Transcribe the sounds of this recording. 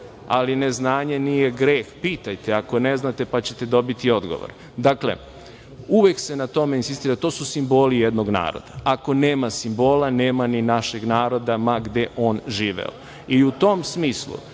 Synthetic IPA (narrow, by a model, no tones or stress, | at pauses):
a̰line̞znaːɲenije̞ɡɾeːxpiːt̪ajt̪eako̞ne̞znat̪e̞pat͡ɕe̞t̪e̞d̪o̞bit̪io̞d̪ɡo̞̰ʋo̰ɾ | d̪aklḛ | uʋe̞kse̞nat̪o̞me̞insist̪iːɾat̪o̞ːsusimbo̞ːlijed̪no̞ɡna̰ːɾo̰d̪aako̞neːmasimbo̞ːlaneːmaninaʃe̞ɡnaːɾo̞d̪amaɡd̪e̞ʔo̞ːnʒiːʋḛo̰ | iut̪o̞msmiːslṵ